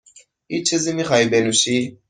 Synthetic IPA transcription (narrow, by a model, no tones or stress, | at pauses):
it͡ʃʰizimixaibɛnusi